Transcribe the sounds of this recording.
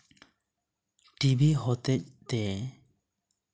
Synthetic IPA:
ʈibiɦɔt̪ɛc̚t̪ɛ

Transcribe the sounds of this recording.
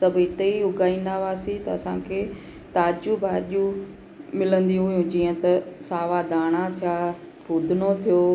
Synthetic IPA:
sɐbʱɪt̪eiʊɡaːĩːn̆d̪aʋaːsit̪ɐɐsãːkʰeː | t̪aːd͡ʒubaːʄu | mɪlə̃nd̪iũɦʊjũd͡ʑiːə̃t̪ɐsaːʋad̪aːɽ̃at̪ʰijaː | pʊːd̪ʱɪnot̪ʰijoː

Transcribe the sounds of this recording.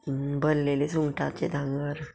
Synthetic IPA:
bənlelesuŋɡʈat͡ɕed̪ʱãŋɡəɾ

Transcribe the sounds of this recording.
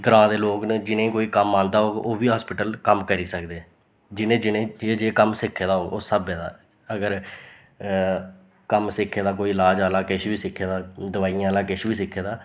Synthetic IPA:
ɡəɾãːd̪eːloːknəd͡ʒɪnẽːkoːiːkəmːãːnd̪aːɦoːoːʋiːɦaːspɪʈəlkəmkəɾiːsəkd̪eː | d͡ʒɪnẽːd͡ʒɪnẽːd͡ʒed͡ʒeːkəmsɪkʰːeːd̪aːoːʔoːsəbeːd̪a̰ː | əɡəɾ | kəmsɪkʰːeːd̪aːkoːiːɪlaːd͡ʒaːlaːkɪʃbiːsɪkʰːeːd̪aːd̪əʋaːijãːlaːkɪʃbiːsɪkʰːeːd̪aː

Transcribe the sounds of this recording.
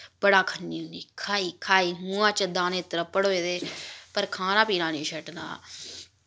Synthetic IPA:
bəɽaːkʰənːiːʊniːkʰaːiːkʰaːiːɦũːãːt͡ʃəd̪aːneːt̪əɾəpːəɽɦoːeːd̪eːpəɾkʰaːnãːpiːɾãːnĩːʃʰəʈna̰ː

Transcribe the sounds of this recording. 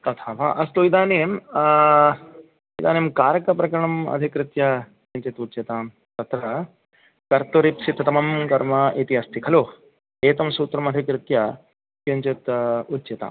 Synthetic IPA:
t̪ɐt̪ʰaːʋa̰ːʔɐst̪oːid̪aːneːm | id̪a̰ːneːmkaːɾkɐpɾɐkɐɾɐɳɐmɐ̰d̪ʱikɾɪt̪jɐ | kɐɲt͡ʃet̪utːt͡ʃit̪aːm | t̪ɐt̪ɾɐ | kɐɾt̪oɾipsit̪ʰːɐt̪ɐmɐmkɐɾmɐʔet̪iɐst̪ikʰɐlo | eːt̪ɐmsuːt̪ɾɐmɐd̪ʱikɾɪt̪jɐ | keɲt͡ʃet̪utːt͡ʃit̪a̰ːm

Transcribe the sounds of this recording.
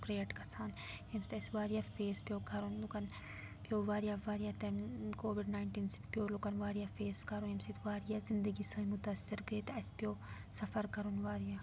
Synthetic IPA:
kɾeːʈkɐsʰaːnjɐmsi̥t̪ɐsʋaːɾijaːfeːspijoːkɐɾoːnlukɐn | pjoːʋaːɾijaʋaːɾijat̪ɐmkoːʋiɖnaːɪɳʈiːnsi̥t̪pʲjoːlukɐnʋaːɾijafeːskɐɾojemsit̪ʋaːɾijaːzind̪əɡisɐnmʊt̪asːiɾɡɐit̪ɐspijoː | sɐfɐɾkɐɾonʋaːɾijaː

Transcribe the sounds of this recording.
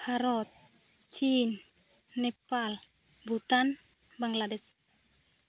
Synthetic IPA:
haɾɔt̪̚ | t͡ɕinː | epal | but̪an | baŋlades

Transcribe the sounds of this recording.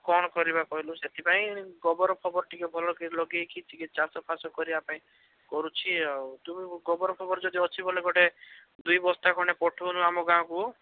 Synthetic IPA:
kɔɽ̃ɔkɔɾibakɔɦiluset̪ʰipaĩɡɔbɔɾɔkʰɔbɔɾʈikɔbʱɔlɔkiɾlɔɡekʰit͡ʃikit̪̚t͡ʃaɾsɔpʰasɔkɔɾiapãĩ | kɔɾut͡ʃʰit̪umĩɡɔbɔɾɔkʰɔbɔɾd͡ʒɔd̪iɔt͡ʃʰibʱɔleɡɔʈed̪ujbɔst̪akʰɔɽ̃epɔʈʰonuamɔɡãɔ̃ku

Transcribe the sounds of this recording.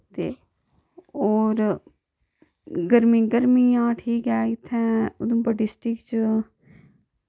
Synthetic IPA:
t̪eː | oːɾ | ɡəɾmĩːɡəɾmijãːʈʰiːkɛːɪt̪ʰːɛ̃ːʊd̪ũpəɖɪsʈɪkt͡ʃ

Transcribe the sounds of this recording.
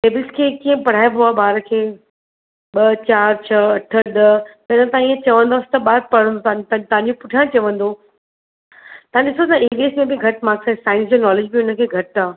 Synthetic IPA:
ʈeːbɪlskʰeːkiːə̃pɐɽ̤aːebʊaːbaːɾəkʰeː | ɓɐt͡ɕaːɾt͡ɕʰɐɐʈʰəɗ̪ɐt̪ɐɪnə̃t̪ãiːə̃t͡ɕɐʋə̃nd̪oːsɪ̥t̪ɐɓaːɾ̚pɐɽə̃nd̪ot̪t̪t̪ɐãɲd͡ʑopʊʈʰijãt͡ɕɐʋə̃nd̪o | t̪ɐãɗɪsot̪ãeːʋeːsmẽbɪɡʱɐʈmaːksãsaːɪ̃nsd͡ʑoːnɔːlɪd͡ʑbiʊnə̆kʰeːɡʱɐʈaː

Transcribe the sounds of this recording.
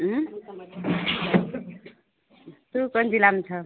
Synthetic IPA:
ɦ | t̪ukʌnd͡ʒilamt͡sʰʌ

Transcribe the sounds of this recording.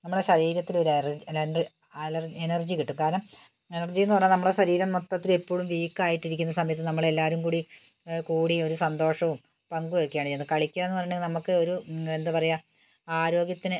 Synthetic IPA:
nɐmːuɽeɕɐɾiːɾɐt̪ːilo̞ɾerɐni | ɐlɐrenɐrd͡ʑikiʈːumkaːɾɐɳɐm | e̞nɐrd͡ʑijenːɨpɐrɐɲːnɐmːuɭɽeɕɐɾiːɾɐmːot̪ːɐt̪ːile̞pːo̞ːɻumʋiːkːaːjiʈːiɾik̬ʲːunːɐsɐmɐjɐt̪ːɨnɐmːɐɭe̞lːaːɾumkuːɽi | kuːɽio̞ɾusɐnd̪o̞ːʂɐʋum | pɐŋɡuʋekːijaːɳt͡ɕejnːɨkɐɭikʲːaːenːɨpɐrɐjɖenɐmukːɨo̞ɾue̞nd̪ɨpɐrɐjɐ | aːɾo̞ːɡjɐt̪ːinɨ

